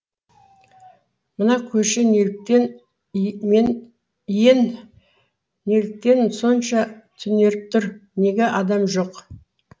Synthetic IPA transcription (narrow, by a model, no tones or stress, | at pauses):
mənɑkʲʰɵʃɪnelk̚t̪en | en | jen | e̞lɪk̚t̪e̞nso̞nʃɑt̪ʰʏne̞ɾɪp̚t̪ʰʊɾne̞ɡʲeʔɑd̪ɑmʒo̞q